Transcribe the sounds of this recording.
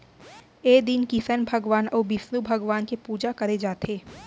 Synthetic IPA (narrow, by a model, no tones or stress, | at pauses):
eːd̪ɪnkisənbʱɐɡʋaːnɔːbɪsnubʱɐɡʋaːnkepuːd͡ʒakɐɾed͡ʒaːt̪eː